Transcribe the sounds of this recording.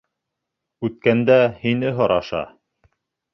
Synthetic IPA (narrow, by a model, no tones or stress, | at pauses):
ʉt̪̚kænd̪æhinɘɦɤ̆ɾɑʃɑ̰